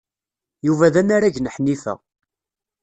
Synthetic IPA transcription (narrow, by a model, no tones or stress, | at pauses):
juvæðænaɾæʝnəħnːifæ̰